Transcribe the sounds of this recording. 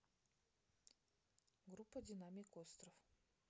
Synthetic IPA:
ɡɾupːədʲɪnamʲikost̪ɾof

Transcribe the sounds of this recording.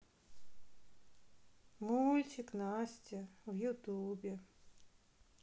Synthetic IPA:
mulʲt͡ɕʲɪknasʲtʲɪvjut̪ubʲɪ

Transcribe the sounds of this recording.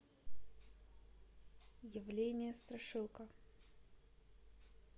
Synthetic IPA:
jɪvlʲenʲɪjəst̪ɾɐʂɨlˠkə

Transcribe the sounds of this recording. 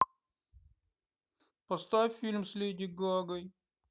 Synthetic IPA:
pɐst̪ajfʲilʲmsʲlʲedʲiɡɔɡəj

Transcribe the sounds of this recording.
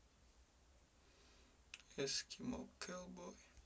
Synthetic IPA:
eskʲimokʰːɛlˠboj

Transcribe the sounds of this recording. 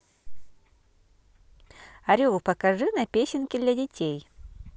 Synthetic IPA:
ɐɾʲulˠpɐkɐʐɨnɐpʲesʲɪnkʲɪd̪lʲɐdʲɪtʲʰej

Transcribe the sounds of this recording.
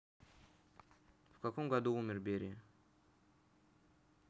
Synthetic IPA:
fkɐkomɡɐd̪uumʲɪrbʲeɾʲɪ

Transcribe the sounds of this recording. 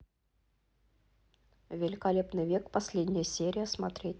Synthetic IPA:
vʲɪlʲɪkɐlʲe̞pnɨjvʲekpɐsʲlʲedʲnʲɪjəsʲeɾʲɪjəsmɐt̪ɾʲetʲ

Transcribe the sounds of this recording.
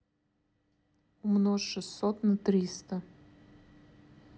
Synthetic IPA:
umnoʂɨssot̪nət̪ɾʲist̪ə

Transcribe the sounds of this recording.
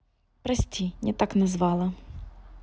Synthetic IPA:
pɾɐsʲtʲinʲɛt̪aknɐzvɑlˠɐ

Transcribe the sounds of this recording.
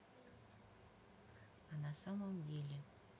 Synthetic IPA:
ɑnasaməmdʲelʲɪ

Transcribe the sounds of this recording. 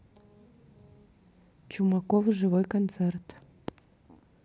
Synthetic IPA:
t͡ɕumɑkovɨʒɨvojkont̪sert̪

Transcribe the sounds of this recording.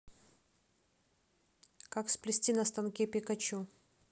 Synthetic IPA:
kaksplʲɪsʲtʲinɐst̪ɐnkʲepʲɪkɐt͡ɕu

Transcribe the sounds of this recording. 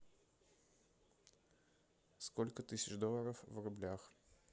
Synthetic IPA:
skɔlʲkət̪isʲɪt͡ʃd̪ɔlˠəɾəfvɾʊblʲax

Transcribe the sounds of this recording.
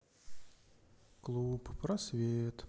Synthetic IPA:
klˠuppɾɐsvʲet̪

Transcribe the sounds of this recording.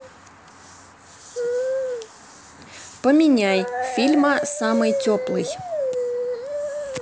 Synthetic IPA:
pəmʲɪnʲajfʲilʲməsamɨjtʲoplˠɨj

